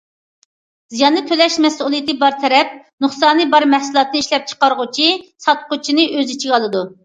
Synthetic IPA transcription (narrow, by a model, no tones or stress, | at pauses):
zijɑnːɨt̪ʰølɛʃmɛsʔulˠɨjt̪ɨbɑɾt̪ʰɛɾɛp̚nuχsɑːnɨbɑɾmɛhsɨlˠɑt̪ʰɨnɨiʃlɛp̚t͡ʃʰə̥qɑɾʁʊt͡ʃʰisɑt̪̚qʰʊt͡ʃʰinɨʔøzit͡ʃʰiɡʲɑlˠɨd̪u